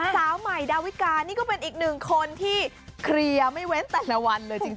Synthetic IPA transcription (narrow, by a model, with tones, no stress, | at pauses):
saː˩˦wma˨˩jdaː˧wi˦˥kaː˧nːiː˥˩kɔː˥˩pe˧nʔiː˨˩k̚nɯ˨˩ŋkʰo˧nt̪ʰiː˥˩ | kʰɾi˧ɐma˥˩jwe˦˥nt̪ɛː˨˩la˧wa˧nlɤː˧jt͡ɕi˧ŋ